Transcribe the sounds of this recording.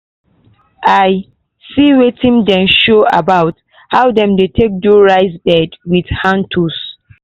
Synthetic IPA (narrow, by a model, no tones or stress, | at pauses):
ʔaj | siwetʰĩmdɛ̃nʃoa̰bawt | hawdɛ̃mdetʰek̚duɹaɪsbɛdwidhãntʰus